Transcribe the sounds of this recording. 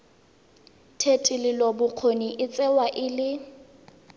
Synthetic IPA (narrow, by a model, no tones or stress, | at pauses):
tʰetʼɪlɪlɔbʊq͡χʰoniʔɪt͡sʼɛwaʔɪlɪ